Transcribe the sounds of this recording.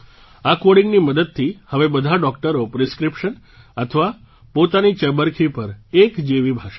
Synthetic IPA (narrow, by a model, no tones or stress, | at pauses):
akoɽiŋɡniməd̪əd̪̚t̪ʰihəʋebəd̪ʱaɖɔk̚ʈəɾopɾeskɾipʃən | ət̪ʰəʋa | pot̪anit͡ʃəbəɾkʰipəɾekd͡ʒeʋibʱaʃ